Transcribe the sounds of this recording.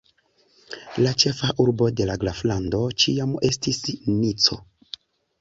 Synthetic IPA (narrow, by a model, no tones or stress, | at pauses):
lat͡ʃe̞faʔuɾbo̞de̞laɡlaflando̞t͡ʃiame̞stisnit͡so̞̰